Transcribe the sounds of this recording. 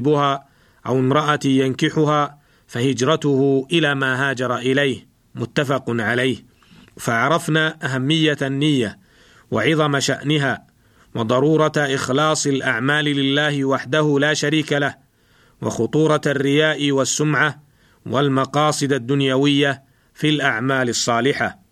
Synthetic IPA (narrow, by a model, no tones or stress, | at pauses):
bʊhaː | ʔawɪmɾˤɑʔajankɪħʊhaː | fahɪd͡ʒɾˤɑt̪ʊhʊʔɪlaːmaːɦaːd͡ʒɑɾˤɑʔɪlajh | mʊt̪ːafɑqnʕalajh | faʕɑɾˤɑfnaːʔaɦamːɪjːaanːɪjːa | waʕɪðˤɑmaʃaʔnɪɦaː | wɑd̪ˤɑɾˤuːɾˤɑʔɪxlɑːsˤɪlʔaʕmaːlɪlɪlːaːhɪwaħd̪ahʊlaːʃaɾiːkalah | wɑ̰xʊt̪ˤuːɾˤɑarːɪjaːʔɪwasːʊmʕa | wʔalmɑqɑːsˤɨd̪ad̪ːʊnjawɪjːa | filʔaʕmaːlɪsˤːɑːlɪħa